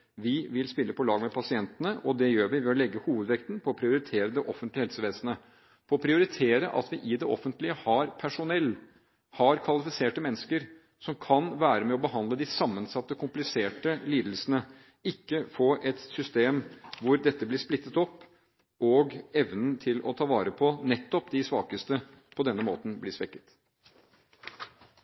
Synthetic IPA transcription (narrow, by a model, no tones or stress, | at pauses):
ʋɪʋɪlspɪlːəpʰɔlɑːɡmɛpʰɑsɪɛnt̪ənəʔɔd̪ɛjøːɾʋɪʋɛɔlɛɡːəhuːʋəd̪ʋɛkt̪npʰɔːpʰɾɪʊɾɪt̪ʰeːɾəd̪ɛʔɔfənt̪lɪhɛlsəʋeːsənə | pʰɔɔpʰɾɪʊɾɪt̪ʰeːɾəʔɑ̰t̪ʋɪʔɪd̪ɛʔɔ̰fənt̪lɪəhɑɾpʰæʂʊnɛlː | hɑɾkʰʋɑlɪfɪseːʈəmɛnːəskəɾ | sɔmkʰɑnʋæːɾəmɛɔbəɦɑnd̪ləd̪ɪsɑmːənsɑt̪ːəkʰʊmplɪseːʈəliːd̪lsənə | ɪkːəfoːʔɛt̪sʏst̪eːmʋʊɾd̪ɛt̪ːəblɪʂplɪt̪ːət̪ɔpː | ɔɡɛʋnənt̪ʰɪlɔ̰t̪ʰɑːʋɑːɾəpʰɔnɛt̪ːɔpd̪ɪsʋɑ̰ːkəst̪ə | pʰɔd̪ɛnːəmo̰ːt̪n̩blɪʂʋɛkːə̥t̪